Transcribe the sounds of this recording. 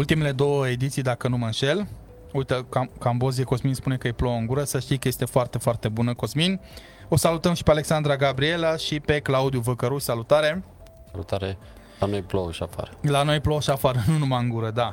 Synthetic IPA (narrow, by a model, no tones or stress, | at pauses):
ult̪ime̞led̪o̞wəe̞d̪it̪sijd̪akənuməɨnʃe̞l | ujt̪əkakambo̞zieko̞zminspune̞kəjeplooɨŋɡuɾəsəʃt̪ijkəje̞st̪e̞foart̪e̞foart̪e̞bunəko̞zmin | o̞salut̪əmʃi̥pealeksand̪ɾaɡabɾie̞laʃipe̞klaud̪juvəkəɾuʃʲsalut̪aɾe̞ | salṵt̪aɾe | lanojploʃafa̰ɾlano̞jplooʃafaɾnunumaɨŋɡuɾəd̪a